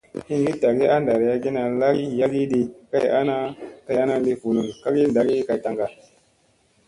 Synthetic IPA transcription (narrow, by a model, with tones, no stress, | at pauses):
hi˦ŋɡi˦ta˨ɡi˦a˦nda˨ɾi˨ja˦ɡi˦na˨la˦ɡi˦ja˦ɡi˦di˨ka˦˨ja̰˦na˦ka˦ja˦na˦li˦ku˨nu˨ŋ˨ka˦ɡi˦n˨da˦ɡi˦ka˨jta˨ŋɡa˨